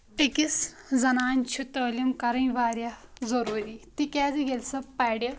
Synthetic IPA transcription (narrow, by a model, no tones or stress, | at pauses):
ekis | d͡zɐnaːnt͡ʃʰut̪əːlimkɐɾɐ̃ĩʋaːɾjazɐɾuːɾit̪ikʲaːd͡ziɡelsɐpajɽe